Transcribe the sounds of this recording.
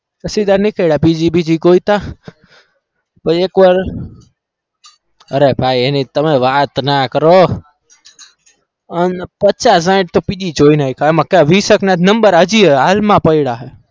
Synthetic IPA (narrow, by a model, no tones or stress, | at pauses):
kəsid̪aɾnĩkəiɽapiːd͡ʒibʱid͡ʒikoːit̪a | pəeːkʋaɾ | əɾebʱaːienĩt̪əmẽʋaːt̪nakəɾo | ənpət̚t͡ʃaːs̬ãːɪ̃ʈ̚t̪opiɗit͡ʃoːinaikʰaːemãkaʋiːsəknat̪nəmbəɾəd͡ʒiɦɛaːlmãpəiɽaɦɛ